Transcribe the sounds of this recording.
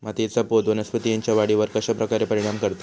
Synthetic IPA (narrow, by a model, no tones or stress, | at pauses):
mat̪jet͡sapod̪ʋənəspət̪ijaɲt͡ɕjaʋaɽiʋəɾkəɕapɾəkaɾepəɾiɽ̃amkəɾt̪ḁ